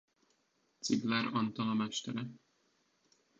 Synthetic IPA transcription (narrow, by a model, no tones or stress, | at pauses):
t̪siɡlɛɾɒnt̪ɒlɒmɛʃt̪ɛɾɛ